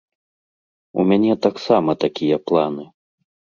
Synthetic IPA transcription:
ṵmʲanʲɛt̪aksamɐt̪akʲijɐplˠanɨ

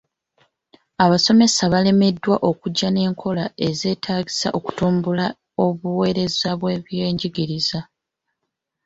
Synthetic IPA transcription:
aβaso̞me̞saβale̞me̞dːwaʔo̞kuɟːane̞ːŋkʰo̞lae̞ze̞ːtʰaːɟisaʔo̞ku̥tuːmbula | o̞βuwe̞ːɾe̞zaβwe̞ːβje̞ːɲɟiɡiɾiza

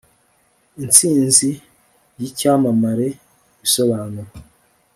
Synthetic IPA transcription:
int͡siːnzi | jicaːmamaɾe | biso̞βaːnuɾa

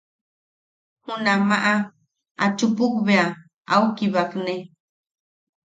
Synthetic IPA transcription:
hʊnamaʔa | a̰t͡ʃʊpʊkbea | awkɪbakne

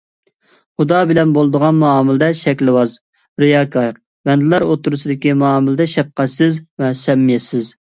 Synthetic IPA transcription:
χud̪ɑbɪlɛnbolˠɨd̪əʁɑnmɑɑːmɨlˠɨd̪ɛʃɛkʲlɨwɑz | ɾɨjɑːkʰɑɾ | bɛnd̪ɪlˠɑɾot̪ːuɾusɨd̪ɪkʲimɑːmɪlɪd̪ɛʃɛp̚qæt̪sɪzvɛsɛmːijɛsɪz

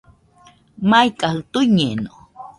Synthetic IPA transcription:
majkʼahɨt̪ujɲeno

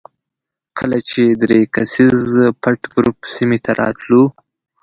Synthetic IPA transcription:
kʰəlat͡ʃed̪ɾekasizpʰaʈɡɾupsimet̪ʰaɾʔɑ̰t̪lu

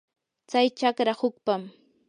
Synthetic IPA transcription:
t͡sajt͡ʃakɾahʊk̚pam

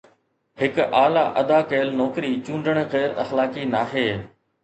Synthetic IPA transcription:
ɦɪkʔaːlaːʔɐd̪aːkeːlnɔːkɾit͡ɕũːɳɖəɽ̃ɣɛːɾɐxlaːkiːnaːɦeː

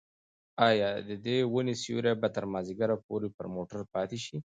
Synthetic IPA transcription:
ɑjɑd̪əd̪ewənesṵɾabat̪əɾmɑzɪɡaɾapoɾepə̰ɾmoʈaɾpɑt̪eʃi

